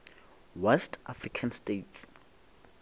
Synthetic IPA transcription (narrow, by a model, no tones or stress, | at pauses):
wɛstʰʔafrikʰanstets